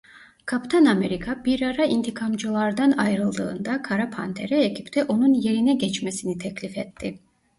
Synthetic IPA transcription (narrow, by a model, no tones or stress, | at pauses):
kʰapt̪ʰaname̞ɾikʰabiɾaɾaint̪ʰikʰamd͡ʒɯlˠaɾd̪anajɾɯlˠd̪ɯ̰ːnd̪akʰaɾapʰa̰nt̪ʰe̞̰ɾɛecʰipt̪ʰɛʔo̞nunje̞ɾinɛɟɛt͡ʃmesinit̪ʰɛcʰlʲifɛt̪ʰːi